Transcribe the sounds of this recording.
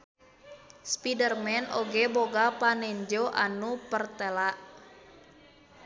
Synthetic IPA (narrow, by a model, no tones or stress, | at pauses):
spidərmɛnoɡɛboɡapanɛɲd͡ʒoʔa̰nupərt̪ɛlaʔ